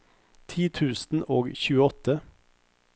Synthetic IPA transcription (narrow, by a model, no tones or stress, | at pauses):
t̪ʰiːt̪ʰʉːsn̩oːɡçʉːəɔt̪ə